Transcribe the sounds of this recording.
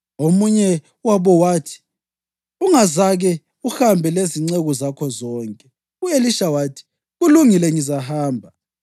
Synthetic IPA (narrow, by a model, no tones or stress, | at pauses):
omuɲɛ | waβɔwaːtʰi̥ | uŋazaɣɛ | uxambʱɛleziŋ͡ǀeɣɔzakʰɔzɔːŋkʼɛ | ueliʃawaːtʰi̥ | ɣuluŋilɛŋizaɦaːmbʱa